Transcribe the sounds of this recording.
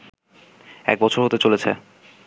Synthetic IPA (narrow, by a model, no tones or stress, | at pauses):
ɛ̰k̚bɔt͡ɕʰoɾɦot̪et͡ɕolet͡ɕʰḛ